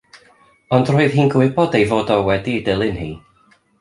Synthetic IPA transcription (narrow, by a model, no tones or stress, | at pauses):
ɔndroːɨðɦiːnɡwɪbɔdejvoːdɔwɛdidɪlˠɪnhḭː